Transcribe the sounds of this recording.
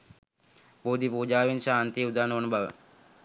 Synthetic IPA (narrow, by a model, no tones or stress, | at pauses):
boːd̪ipuːd͡ʒaːʋinʃaːnt̪iud̪aːnəʋɐnbaʋə̰